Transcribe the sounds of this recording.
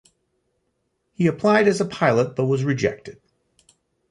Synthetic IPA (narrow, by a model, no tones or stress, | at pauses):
hiɨpʰl̥aɪɾɨzəpʰaɪlˠət̚b̥ʌt̚wʌzɹɨd͡ʒɛ̰k̚tɨd̥̚